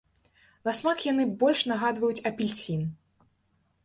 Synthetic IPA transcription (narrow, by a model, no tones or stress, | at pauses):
lasmakjanɨbɔlʲʂnaɣad̪vɐjut͡sʲɐpʲilʲsʲin